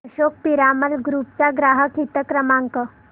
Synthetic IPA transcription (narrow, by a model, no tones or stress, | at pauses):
ɕok̚piɾaməlɡɾuːp̚t͡saɡɾaɦəkʰit̪əkɾəmaŋkə